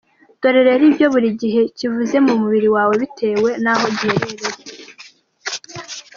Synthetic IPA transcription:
d̥o̞ɾe̞ɾeɾibjo̞βuɾiɟiɦe̞civuze̞mumuβiɾiwaːwe̞βitʰe̞ːwe̞naɦo̞ɟiheɾeɾeɾe

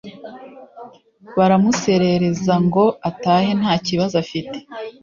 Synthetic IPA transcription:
βaɾamuse̞ɾe̞ɾe̞zaŋɡo̞ataːɦe̞n̥haːciβazafite̥

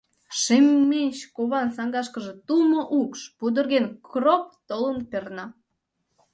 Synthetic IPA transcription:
ʃemːenʲt͡ɕkoβɑnsɑŋɡɑʃkəʒe̽t̪ulmoʔukʃpud̪ərɣenkrop̚t̪olənpernɑ

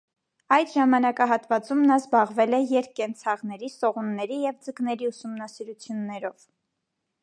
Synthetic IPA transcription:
ɑjt̪ʒɑmɑnɑkɑɦɑt̪vɑt͡sumnɑzbɑʁvɛlɛjɛɾkːɛnt͡sʰɑʁnɛɾisɔʁunːɛɾijɛvd͡zəknɛɾiusumnɑsiɾut͡sʰjunːɛɾɔv

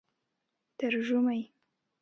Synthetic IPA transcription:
t̪əɾʒumaj

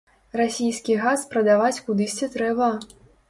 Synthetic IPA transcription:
rasʲijskʲiɣaspɾɐd̪avat͡sʲkud̪ɨsʲt͡sʲɛt̪ɾɛbɐ

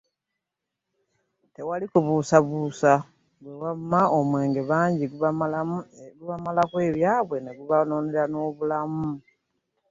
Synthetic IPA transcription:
te̞walikuβusaβusa | ɡwewamaomwe̞ːŋɡe̞βaːɲɟiɡu | ɡuβamalakwe̞ːβjaːβwe̞neɡuβanoːneɾano̞ːβulamu

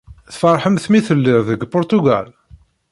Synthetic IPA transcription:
θfɑɾˤħəmθmiθəlːɪɾðəɡpʊɾt̪uɡæ̰l

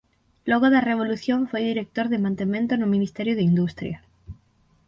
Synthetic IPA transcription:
loɣoðareβ̞o̞luθjõɱfwejðiɾek̚t̪oɾðemãnt̪emjẽnt̪onomĩnist̪eɾjoðeind̪ust̪ɾja

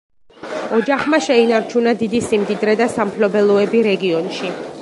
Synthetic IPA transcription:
ɔd͡ʒaχmaʃɛinaɾt͡ʃʰunad̪id̪isimd̪id̪ɾɛd̪asampʰlɔbɛlˠɔɛbiɾɛɡiɔnʃi

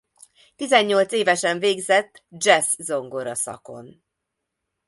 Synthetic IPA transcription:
t̪izɛɲːo̞lt̪seːvɛʃɛɱveːɡzɛt̪ːd͡ʒɛszo̞ŋɡo̞ɾɒsɒ̰ko̞̰n

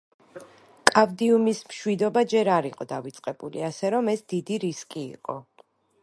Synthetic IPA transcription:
kʼavd̪iumismʃwid̪ɔbad͡ʒɛɾaɾiqʼɔd̪avit̪sʼqʼɛbulḭasɛɾɔmɛsd̪id̪iɾiskʼḭːqʼɔ̰

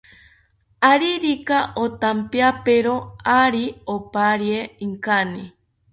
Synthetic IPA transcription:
aɾiɾikaʔot̪ampeapeɾoaɾiopaɾjeiŋkani

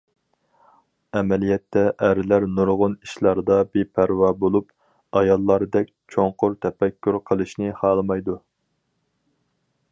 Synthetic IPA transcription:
ɛmɛlijɛt̪ʰːɛʔæɾɪlæɾnuɾʁʊniʃlˠɑɾd̪ɑbepʰæɾwɑbolˠup | ɑjɑlˠːɑɾɨd̪ɛk̚ʲt͡ʃʰoŋqʊɾt̪ʰɛpɛkʲʰːyɾqʰəlˠɨʃnɨhɑːlˠɨmɑjd̪u

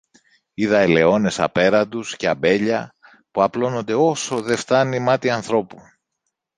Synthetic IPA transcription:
iðɐele̞o̞ne̞sɐ̰pe̞ɾɐd̪usceɐbe̞ʎɐ | puɐplo̞no̞nd̪e̞o̞so̞ðe̞ft̪ɐnimɐt̪iɐnθɾo̞pu

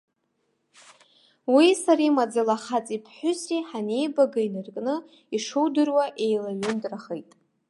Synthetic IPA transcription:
wisaɾajmad͡zalaχat͡sʼipʰħʷᶣʊsiħanejbaɡainɨrkʼnɨ | iʂowdɨrwaʔe̞jlaɥʊndʼraχejtʼ

